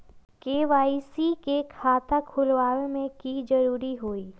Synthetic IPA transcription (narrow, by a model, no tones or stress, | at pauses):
keːʋaːisikekʰaːt̪ʰakʰʊlʋaːlemẽkid͡ʒɐɾuːɾiɦoːiː